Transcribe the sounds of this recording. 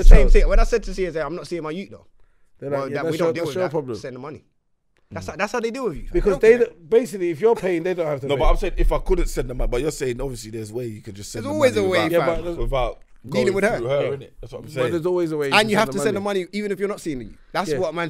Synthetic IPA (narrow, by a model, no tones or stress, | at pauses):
sẽɪ̃msɪ̃wə̃naɪsɛd̚tʰəsizeãɪ̃mnətsiɪ̃ŋmaɪjʉʔⁿno̰ʊ | ðəwidõʊndpʰɹ̥ɔblə̃msɛ̃nðəmʌnḭ | ðætsðætshaʊðeɪdəwɪðjɨ̰bɨkʰʌzðeɪbeɪsɪkliɪfjə˞pʰeɪɪ̃ŋðeɪdõʊ̃nhaftənoʊbʌɾãɪ̃mseɪɪ̃ŋɪfaɪkʰʊdⁿn̩tsɛ̃nðəmʌnibʌt͡ʃjə˞seɪɪ̃ŋɔbviəsliðə˞zəweɪjɨkʰɨ̃nd͡ʒʌssɛ̃zɔlˠwizəweɪæʌwɪðaʊt̚ | iñwɨð̥ə˞əɪ̃nɪt̚ætswɔtseðəzɔlˠwizəweɪə̃njɨhaftɨsɛ̃nðəmʌniivɨ̃nɨfjə˞nətsiɪ̃ŋðɨjʉ̰t̚ðætsswʌtmãn